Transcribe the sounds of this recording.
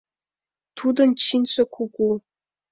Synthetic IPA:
tʰud̪ɐnt͡ʃʰinɕʰɐkʷʰukʷu

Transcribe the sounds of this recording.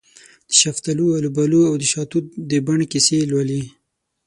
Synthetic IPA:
d̪̥əʃaft̪alualubaluawd̪əʃɑt̪ut̪̚d̪əbaɳkiselwali

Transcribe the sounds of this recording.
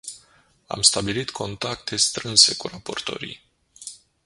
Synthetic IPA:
a̰mst̪abilit̪kʰo̞nt̪ak̚t̪ʰe̞st̪ɾɨnse̞kuɾapo̞rt̪o̞̰ɾḭj

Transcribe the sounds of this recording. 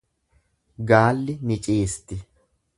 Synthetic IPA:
ɡaːlːɪnɪt͡ʃʼeːst̪ːɪ

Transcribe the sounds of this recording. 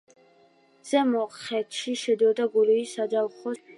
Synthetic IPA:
z̥ɛmɔχɛt̪ʰʃiʃɛd̪ɔd̪aɡuliisad̪awχɔ

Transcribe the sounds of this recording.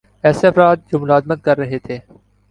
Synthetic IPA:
ɛːseɐfɾaːd̪̚d͡ʒoːmʊlaːzmət̪̚kɐɾːɐɦet̪ʰeː

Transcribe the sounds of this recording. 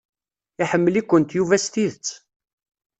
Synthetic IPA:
iħəmːəlikʷːənt̪juvæst̪iðət͡sː

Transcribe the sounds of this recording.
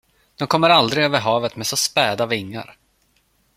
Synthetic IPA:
d̪̥ɔmkʰɔmːəɾald̪ɾɪɡøːvəɾɦɑːvət̪mɛsɔspɛːd̪avɪŋːa̰ɾ

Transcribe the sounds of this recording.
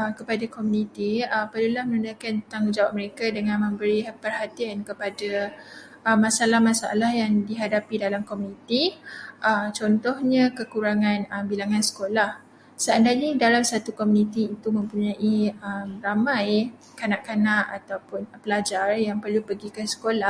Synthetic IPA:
əkəpadakomunĩt̪iəpadulahmənunakant̪aŋud͡ʒawaʔ̚məɾekadəŋãnmə̃mbəɾipərhat̪iankəpada | əmãsalahmasaa̰lahjaŋdiɦadapidalamkomunĩt̪iʔəmt͡ʃɔnt̪ɔhɲə̃kəkuɾaŋãnəbilaŋãnsə̥kolah | səandaɲədalamsat̪ukomunĩt̪iːt̪umə̃mpuɲãʔiəmramãj | kanaʔkanaʔat̪awpʊnpəlad͡ʒarjaŋpərlupəɡikəsə̥kola

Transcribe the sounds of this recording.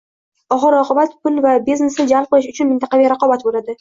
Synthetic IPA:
ɒʁɨɾɒqʰɨbat̪pʰʊnvabizne̞snɪd͡ʒalˠp̚qʰɨlˠɪʃʊt͡ʃʰʊnmɪnt̪ʰaqɑveɾaqɒbat̪bolˠad̪ɪ

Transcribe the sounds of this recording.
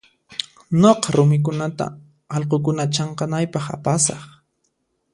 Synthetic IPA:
noqɑɾʊmɪk̬ʊnat̪a̰ | ɑlqokʊnat͡ʃɑɴqɑnajpɑχa̰pasɑχ

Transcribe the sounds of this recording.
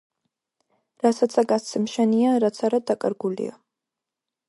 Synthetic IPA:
ɾasat̪sʰaɡast̪sʰɛmʃɛniaɾat̪sʰaɾad̪akʼaɾɡulḭa̰

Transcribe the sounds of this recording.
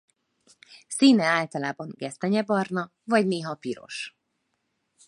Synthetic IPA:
siːnɛaːlt̪ɒlaːbɒŋɡɛst̪ɛɲɛbɒrnɒ | vɒɟneːɦɒpiɾo̞̰ʃ

